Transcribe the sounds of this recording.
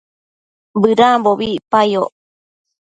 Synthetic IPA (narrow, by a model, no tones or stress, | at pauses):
bɨɾamboβipajoʔ